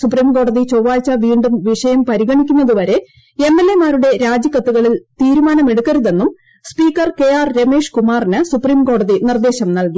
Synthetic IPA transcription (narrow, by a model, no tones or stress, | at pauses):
supriːmko̞ːɽɐðit͡ɕo̞ːʋaːlt͡ɕːɐʋiːɳɖumʋiʂɐjɐmpɐɾiɣɐɳikʲːunːɐðuʋɐɾe̞ | e̞mːe̞lːe̞maːɾuɽe̞ɾaːd͡ʑjɐkːɐt̪ːuɣɐɭilt̪iːɾumaːnɐme̞ɽukːɐɾuðe̞nːum | spiːkːɐrke̞jaːrɾe̞me̞ːʂkumaːrinɨsupriːmko̞ːɽɐðinird̪e̞ːɕɐmnɐlki